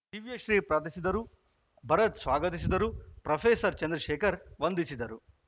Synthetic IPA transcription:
tiʋijɐʃɾiːpɾaːt̪̬isid̪ɐɾu | bʱɐɾɐt̪sʋaːɡɐt̪̬is̬id̪ɐɾupɾɐpʰeːsɐɾt͡ʃɐnd̪ɾɐʃɛːkʰɐɾʋɐnd̪isid̪ɐɾu

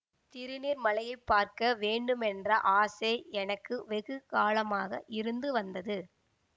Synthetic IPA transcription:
t̪ɪɾɯniːɾmɐlɐjɐɪpːaːɾkɐʋeːɳɖɯmɛndrɐʔaːseːɛnɐkːɯʋɛɣɯkaːlɐmaːɣɐʔɪɾɯnd̪ɯʋɐnd̪ɐðɯ

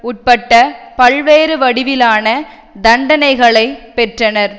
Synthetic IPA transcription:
ʊʈ̚pɐʈːɐpɐlʋeːɾɯʋɐɽɪʋɪlaːnɐ | d̪ɐɳɖɐnɐɪɣɐɭɐɪpɛʈrɐnɐɾ

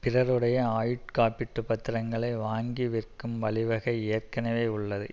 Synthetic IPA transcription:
pɪrɐɾɯɽɐjɐaːjɪʈkaːpɪʈːɯpɐt̪ːɪɾɐŋɡɐɭɐɪʋaːŋɡiʋɪrkɯmʋɐɭɪʋɐɣɐɪejɐrkɐnɐʋeːʊɭːɐðɯ

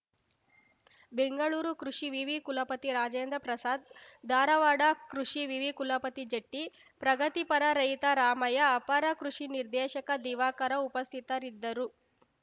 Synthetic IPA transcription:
beŋɡɐɭuːɾukɾuʂiʋiʋikulɐpɐt̪iɾaːd͡ʒeːnd̪ɾɐpɾɐsaːd̪̚d̪ʱaːɾɐʋaːɖɐkɾuʂiʋiʋikulɐpɐt̪id͡ʒɐʈːi | pɾɐɡɐt̪ipɐɾɐɾɐjt̪ɐɾaːmɐjɐːpɐɾɐkɾuʂiniɾd̪ɛːʃɐkɐd̪iːʋaːkɐɾɐupɐst̪ʰit̪ɐɾid̪ːɐɾu

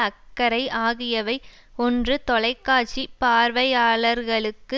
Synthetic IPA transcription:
ɐkːɐɾɐɪʔaːɣɪjɐʋɐɪ | ɔndrɯt̪ɔɭɐɪkːaːt͡ʃːipaːɾʋɐjaːɭɐɾɣɐɭɯkːɯ

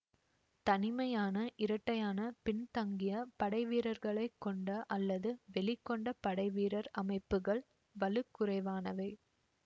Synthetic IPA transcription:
t̪ɐnɪmɐjaːnɐʔɪɾɐʈːɐjaːnɐpɪnt̪ɐŋɡɪjɐpɐɽɐɪʋiːɾɐɾɣɐɭɐɪkːɔɳɖɐʔɐlːɐðɯʋɛɭɪkːɔɳɖɐpɐɽɐɪʋiːɾɐɾɐmɐɪpːɯɣɐɭ | ʋɐlɯkːʊrɐɪʋaːnɐʋɐɪ

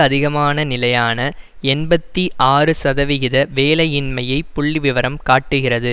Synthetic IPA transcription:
ɐðɪɣɐmaːnɐnɪlɐjaːnɐ | ɛnbɐt̪ːiʔaːrɯsɐðɐʋɪɣɪðɐʋeːlɐjɪnmɐjɐɪpːʊɭːiʋɪʋɐɾɐmkaːʈːɯɣɪrɐðɯ

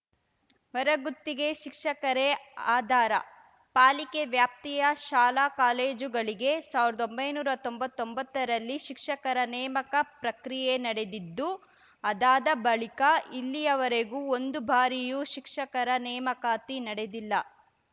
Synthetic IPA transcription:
ʋɐɾɐɡut̪ːiɡe̞ʃikʂɐkɐɾeaːd̪ʱaːɾɐ̰ | paːlikeʋjaːp̚t̪ijɐʃaːlaːkaːleːd͡ʒuɡɐɭiɡe̞saːʋiɾɐd̪o̞mbɐjnuːɾɐt̪o̞mbɐt̪ːo̞mbɐt̪ːɐɾɐlːiʃikʂɐkɐɾɐnɛːmɐkɐpɾɐkɾijenɐɽe̞d̪id̪ːu | ɐd̪aːd̪ɐbɐɭikɐilːijɐʋɐɾeɡuːond̪ubʱaːɾijuʃikʂɐkɐɾɐnɛːmɐkaːt̪inɐɽe̞d̪ilːɐ

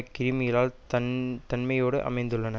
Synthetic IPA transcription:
kɪɾɪmɪjɐlaːlt̪ɐnt̪ɐnmɐjoːɽɯʔɐ̰mɐɪnd̪ɯɭːɐnɐ

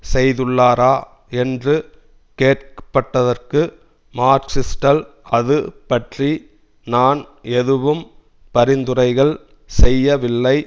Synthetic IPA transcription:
sɛjðɯɭːaːɾaː | ɛndrɯ | keːʈ̚kɐ̥pːɐʈːɐðɐrkɯ | maːɾksɪsʈɐl | ɐðɯpɐʈri | naːnɛðɯʋɯm | pɐɾɪnd̪ɯɾɐɪɣɐɭ | sɛjːɐʋɪlːɐɪ

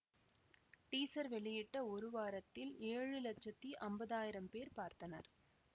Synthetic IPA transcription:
ʈiːsɐɾʋɛɭɪjɪʈːɐɔɾɯʋaːɾɐt̪ːɪleːɻɯlɐt͡ʃːɐt̪ːiʔɐmbɐðaːjɪɾɐmpeːɾpaːɾt̪ɐnɐ̰ɾ

